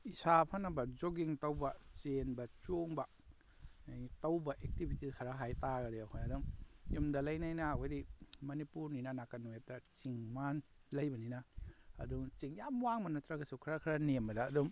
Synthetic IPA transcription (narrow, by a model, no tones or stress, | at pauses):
isapʰɐnɐbɐd͡ʒoɡiŋtɐwbɐt͡ʃenbɐt͡ʃoŋbɐ | tɐwbɐʔek̚tibʱitikʰɐɾɐɦajtaɡɐdeakʰojɐdumjumdɐlɐjnajnɐkʰojdimɐnipuɾninɐnakɐnːujap̚tːɐt͡ʃiŋmanlɐjbɐninɐɐ̰duŋt͡ʃiŋjamwaŋmanːɐtɾaɡɐsukʰɐɾɐkʰɾɐnembɐdɐːdum